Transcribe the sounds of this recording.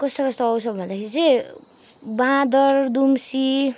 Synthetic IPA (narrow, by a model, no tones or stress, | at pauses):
kʌst̪okʌst̪oʌwsʌbbʱʌnd̪akʰeɾit͡sʌj̃ | bãd̪ʌrd̪umsi